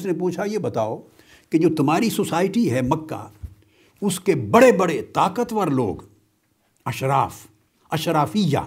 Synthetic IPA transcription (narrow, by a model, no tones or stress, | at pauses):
snepuːt͡ʃʰajebɐt̪aːo | ked͡ʒoːt̪ɐmɦaːɾisosaːɪʈiɦɛmɐkːa̰ | ʊskebɐɽebɐɽet̪aːkət̪ʋəɾlo̰ːɡ | ɐʃɾaːf | ɐʃɾaːfɪja̰ː